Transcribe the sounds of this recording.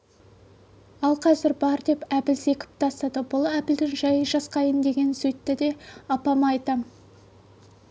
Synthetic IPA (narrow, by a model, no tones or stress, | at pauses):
ɑlˠqʰɑzɪɾbɑɾd̪e̞pæpɪlse̞kʲɪ̥p̚t̪ʰɑst̪ɑd̪əbʊlˠæpɪld̪ɪŋʒɑjəʒɑsqɑjənd̪e̞ɡʲe̞nsɵjt̪ːɪd̪e̞ɑpɑmɑjt̪əm